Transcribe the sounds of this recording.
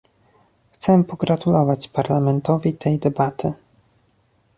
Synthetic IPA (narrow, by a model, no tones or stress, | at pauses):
xt̪sɛpɔɡɾat̪ulɔvat͡ɕpaɾlamɛnt̪ɔvʲit̪ʰɛjd̪ɛbat̪ʰɘ